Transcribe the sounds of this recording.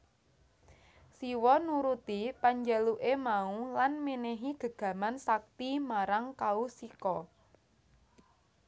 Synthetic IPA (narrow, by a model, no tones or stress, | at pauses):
siwɔnuɾut̪ipaɲd͡ʒaluʔemaulanmineɦiɡ̥ə̤ɡ̥ä̤mansak̚t̪imaɾaŋkausikɔ